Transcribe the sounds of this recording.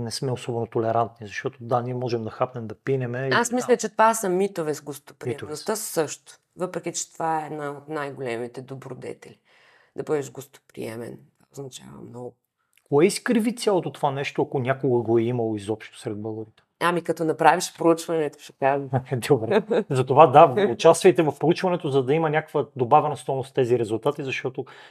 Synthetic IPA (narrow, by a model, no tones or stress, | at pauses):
nɛsmɛosɔbɛnot̪olɛɾant̪̚nizɐʃt̪ɔt̪od̪aniɛmɔʒɛmd̪ɐxapnɛmd̪ɐpinɛmɛasmislʲɐt͡ʃɛt̪vasɐmit̪ovɛzɡost̪o̥pɾɛnost̪əsɤʃt̪ʊ̥ | vɤpɾɛkʲit͡ʃɛ̥t̪ovaɛːd̪naot̪najɡolɛmit̪ɛd̪obɾod̪ɛ̰t̪ɛlʲi | d̪ɐbɤd̪ɛʃɡost̪o̥pɾḭɛ̰mɛ̰ntova̰oznɐt͡ʃa̰vɐ̰mnɔɡʊ | koɛiskɾivit̪sjalˠot̪ot̪ovanɛʃt̪oɐkonʲakoɡɐɡɔɛimɐlˠoizɔpʃt̪o̥sɾɛd̪̚bɤɡˠoɾit̪ɛ̥amikɐt̪ɔnɐpɾaviʃpɾout͡ʃvɐnɛt̪ʊ̥ʃɛkaʒd̪obɾzɐt̪ovad̪avot͡ʃast̪vɐjt̪ɛvɐfpɾout͡ʃvɐnɛt̪ozɐd̪ɐimɐnʲakə̥kvəd̪obavɛnɐst̪ɔjnost̪ɛziɾɛzulˠt̪at̪izɐʃt̪ɔt̪o